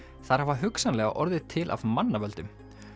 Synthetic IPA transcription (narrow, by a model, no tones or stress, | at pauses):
θaɾ̥havaɦʏksanlɛɣaʔɔɾðɪt̪ʰɪlʔa̰vmanːavœlt̪ʏm